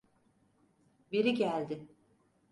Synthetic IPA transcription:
biɾiɟælʲd̪ɪ

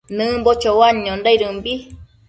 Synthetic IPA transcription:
nɨ̃mbot͡ʃowaɲõndajɾɨmbi

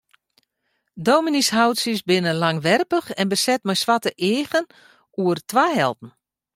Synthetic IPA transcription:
doːminishawtsəsbɪnənlaŋʋɛrpəxɛnbəsɛt̚mɛjsʋatəʔɪːɣən | uərtʋajɦɛ̰lˠtn̩

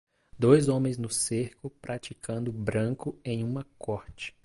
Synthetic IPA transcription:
d̪ojzõmẽj̃znʊseɾkʊpɾʔat͡ʃikʰɐ̃nd̪ʊbɾɐ̃kʊẽj̃ũmɐkʰɔɾt͡ʃɪ̥

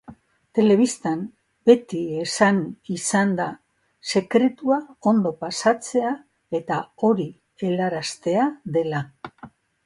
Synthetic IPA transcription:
t̪e̞le̞β̞ist̪an | be̞t̪ie̞sanisand̪a | se̞kɾe̞t̪uao̞nd̪o̞pasat͡se̞a | e̞t̪ao̞ɾi | e̞laɾast̪e̞aðe̞la

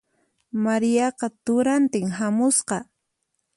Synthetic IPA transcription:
maɾɪjɑqɑt̪ʊɾant̪ɪŋɦamʊsqɑ

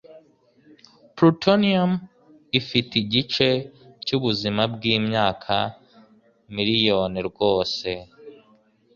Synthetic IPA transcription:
pɾutoniam | ifitiɟit͡ʃe̞cuβuzimabɡiːmɲaːkʰa | miɾijo̞ːniɾɡo̞ːse̞

